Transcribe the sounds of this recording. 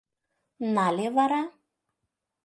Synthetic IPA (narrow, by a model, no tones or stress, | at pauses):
nalevaɾa